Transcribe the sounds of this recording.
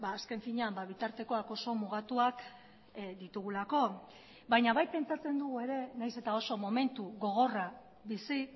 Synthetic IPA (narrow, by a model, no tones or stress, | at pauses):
baːske̞ɱfiɲeambaβit̪aɾt̪e̞ko̞ako̞so̞muɣ̞at̪uak | d̪it̪uɣ̞ulako̞ | bajɲaβajpe̞nt͡sat͡se̞nd̪uɣue̞ɾe̞najse̞t̪ao̞so̞mo̞me̞nt̪uɣo̞ɣ̞o̞ra | βisi